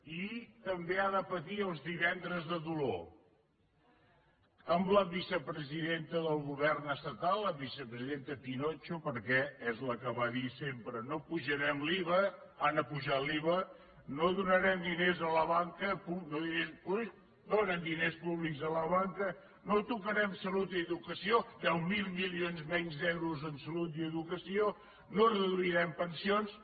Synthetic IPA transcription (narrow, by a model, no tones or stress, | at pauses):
it̪əmbeaðəpət̪iəlˠzðiβɛnd̪ɾəzðəðulo̰ | əmləβisəpɾəziðent̪əðəlˠɣuβɛrnəst̪ət̪alˠːəβisəpɾəziðent̪əpinot͡ʃupəɾkɛɛzləkəβaðisempɾənopuʒəɾɛmliβəanəpuʒaliβə | noðunəɾɛmd̪inezələβaŋkəpunoðinempui | d̪onənd̪inespuβlikzələβaŋkə | not̪ukəɾɛmsəlut̪iəðukəsiod̪ɛwmilˠmilionzmɛɲzðɛwɾuzənsəlut̪iəðukəsio | norəðuiɾɛmpənsions